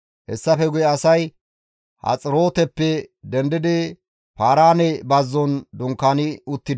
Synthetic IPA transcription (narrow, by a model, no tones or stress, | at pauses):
hɛsːɐfɛɡʊjɛɐsɐj | hɐ̰t͡sʼɪɾo̞ːt̪ɛpːɛd̪ɛnd̪ɪd̪ɪ | paːɾaːnɛbɐzːɔnd̪ʊŋkːaːnɪʊt̪ːɪd̪